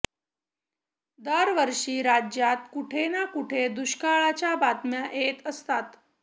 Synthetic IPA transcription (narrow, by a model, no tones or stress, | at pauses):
d̪əɾʋəɾʂiːɾad͡ʑjat̪̚kuʈʰenakuʈʰed̪uɕkaɭat͡ɕjabat̪mjaʔet̪əst̪at̪